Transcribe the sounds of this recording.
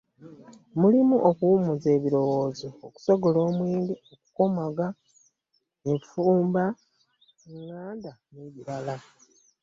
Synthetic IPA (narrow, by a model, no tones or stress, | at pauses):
mulimuʔokuwumuze̞ːβiɾo̞wo̞ːzoːku̥so̞ɡolo̞ːmweːndioku̥komaɡa | efuːmba | ŋŋːaːndaneβiɾala